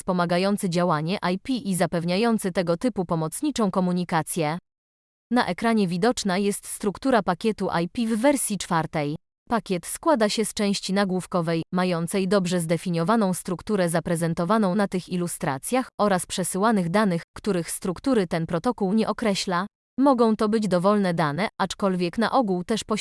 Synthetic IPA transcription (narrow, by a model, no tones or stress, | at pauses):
fspɔmaɡajɔnt̪sɘd͡ʑawaɲɛʔajpʲiʔizapɛvɲajɔnt̪sɘt̪ɛɡɔt̪ɘpupɔmɔt̪sɲit͡ʂɔ̃w̃kɔmuɲikat̪sʲjɛ | na̰ʔɛkɾaɲɛvʲid̪ɔt͡ʂnajɛst̪st̪ɾukt̪uɾapakʲɛt̪uʔa̰jpʲivːɛɾsʲjit͡ʂfaɾt̪ɛj | pakʲjɛt̪skwad̪aɕɛst͡ʂɛ̃w̃ɕt͡ɕinaɡwufkɔvɛjmajɔnt̪sɛjd̪ɔbʐɛzd̪ɛfʲiɲjɔvanɔ̃w̃st̪ɾukt̪uɾɛzapɾɛzɛnt̪ɔvanɔ̃w̃nat̪ɘxilust̪ɾa̰t̪sʲjaxɔɾaspʂɛsɘwanɘɣd̪anɘxkt̪uɾɘxst̪ɾukt̪uɾɘt̪ɛnpɾɔt̪ɔkuwɲɛʔɔkɾɛɕla | mɔɡɔ̃w̃t̪ɔbɘd͡ʑd̪ɔvɔlnɛd̪anɛʔat͡ʂkɔlvʲjɛkn̪a̰ʔɔɡuwt̪ɛʂpɔ